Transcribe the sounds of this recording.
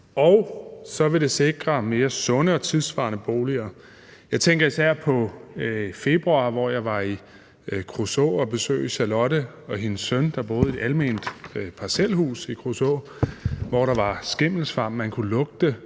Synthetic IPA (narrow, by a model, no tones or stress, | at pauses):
ɒʊsɒ̽ʋe̝ɾ̥e̝se̝ɡ̥ʁɐme̝ːɐsɔ̽nəɒ̽t͡sʰiðˠsʋɑ̈ːnəb̥o̝ːliɐː | jɑ̈ɪt͡sʰeŋɡ̥ɐisæɐ̰pʰɒ̽ | fe̝b̥ʁuɑ̈ːʋɒjɑ̈ɪʋɑ̈i | kʰʁoso̰ːɒ̽b̥e̝sø̰ːiɕælɒ̽d̥ə | ɒ̽ɦinsːœnd̥ɑ̈b̥o̝ːð̞̩ˠe̝d̥ælme̝̰ːnd̥pʰɑ̈sel̰ɦṵːsikʰʁuso̰ | ʋɒɾ̥ɑ̈ʋɑ̈sɡ̥e̝m̰l̩sfɑ̈mmænkʰulɔ̽ɡ̥̚d̥ə